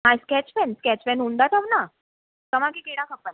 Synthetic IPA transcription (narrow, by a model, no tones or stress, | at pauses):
ɦajskɛt͡ɕfɛnskɛt͡ɕfɛnɦũnd̪at̪aʋna | təʋãkikeɽakʰəpən